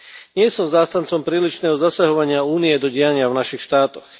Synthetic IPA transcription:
ɲɪɛsɔmzaːst̪ant͡sɔmpɾiːliʃnɛːɦɔzasaɦɔʋaɲɪauːniɛd̪ɔɟɛjaɲɪavnaʃixʃt̪aːt̪ɔx

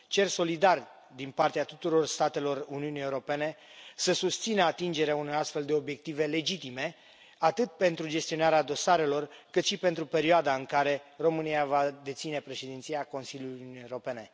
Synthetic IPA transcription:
t͡ʃe̞rso̞lid̪ar | d̪inpart̪eat̪ut̪uɾo̞rst̪at̪e̞lo̞runiunijeuɾo̞pe̞ne̞səsust̪sinəat̪ind͡ʒe̞ɾeaunojast̪fe̞ld̪e̞o̞bje̞k̚t̪ive̞le̞d͡ʒit̪ime̞ | at̪ɨt̪̚pe̞nt̪ɾud͡ʒe̞st̪io̞naɾead̪o̞saɾe̞lo̞rkɨt̪ʃipe̞nt̪ɾupe̞ɾioad̪aɨŋkaɾe̞ro̞mɨniavad̪e̞t̪sine̞pɾe̞ʃed̪int̪siako̞nsiljuluunieɾope̞ne̞

